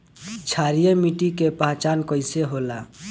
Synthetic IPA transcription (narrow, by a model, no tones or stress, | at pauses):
t͡ʃʰaɾijemiʈikepaɦt͡ʃankəɪseɦola